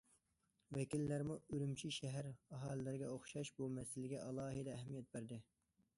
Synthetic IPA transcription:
wɛkʲilːæɾmuølymt͡ʃʰiʃɛɦæɾɑɦɑːlɨlɪɾɡʲɛoχʃɑʃbumɛsɪlɪɡʲɛʔɑlˠɑːɦɨd̪ɛːɦmijɛt̪̚bæɾd̪ɪ

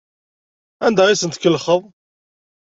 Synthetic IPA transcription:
ænd̪æʁisənt̪kːəlːχəðˤ

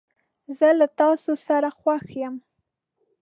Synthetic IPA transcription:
zəlat̪ɑsosaɾaxwaxjəm

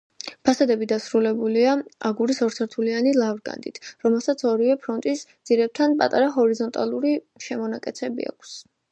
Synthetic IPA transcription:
pʰasad̪ɛbid̪asɾulɛbuliaaɡuɾisɔɾt̪sʰɛɾt̪ʰulianilˠavɾɡa̰nd̪ʼḭt̪ʰɾɔmɛlˠsat̪sʰɔɾivɛpʰɾɔnt̪ʼisd̪z̥iɾɛb̚t̪ʰanpʼa̰t̪ʼaɾaɦɔɾizɔnt̪ʼa̰lˠuɾi | ʃɛmɔnakʼɛt̪sʰɛbḭa̰kʷʰs

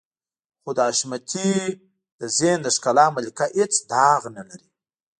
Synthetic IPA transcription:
xod̪əaʃmat̪ʰi | d̪̥əzend̪əʂkalɑmalikaʔet͡sd̪ɑɣnalaɾi

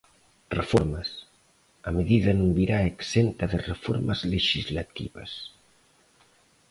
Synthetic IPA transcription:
refoɾmas | ameðiðɐnũŋbiɾaeksent̪aðerefoɾmazleʃizlat̪ḭβɐ̰s

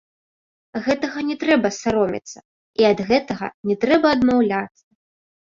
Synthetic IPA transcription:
ɣɛt̪ɐɣɐnʲɛt̪ɾɛbɐsaɾɔmʲḭt̪sːɐ | iɐd̪ɣɛt̪ɐɣɐ̰nʲɛt̪ɾɛbɐːd̪mawlʲat̪sːɐ

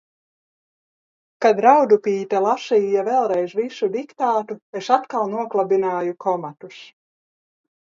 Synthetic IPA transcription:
kad̪ɾawd̪upiːt̪ɛlˠasiːjavɛlˠɾɛjzvisud̪ikt̪aːt̪uesat̪kalˠnuɔklˠabinaːjukʰɔmat̪us

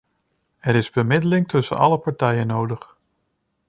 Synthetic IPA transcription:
ɛɾɪzbəmɪdəlɪŋtʰɵsə̰nɑ̰ləpɑɹtɛjənːowdəχ

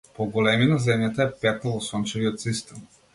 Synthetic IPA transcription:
poɡolɛminazɛmjat̪aɛpɛk̪alˠɔsɔnt͡ʃɛviɔt̪sist̪ɛm

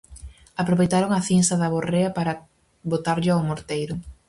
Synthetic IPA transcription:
apɾoβejt̪aɾoŋɐθinsɐðɐβoreɐpaɾɐ | bot̪aɾʎɪawmoɾt̪ejɾʊ

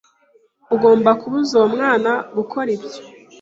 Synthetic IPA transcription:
uɡo̞ːmbakuβuzomŋaːnaɡukʰoɾibjo̥

